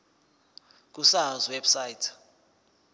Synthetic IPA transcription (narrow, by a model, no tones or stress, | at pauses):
k̬usazwebsaitʰ